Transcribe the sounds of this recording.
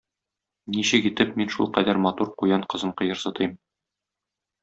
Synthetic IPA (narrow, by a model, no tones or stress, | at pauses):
niɕɘkit̪ɘpminʃṵlˠqæd̪æɾmɑt̪uɾqujɑɴqɤ̆zɤɴqɤ̆jɤ̆ɾsɤ̆t̪ʰɤjm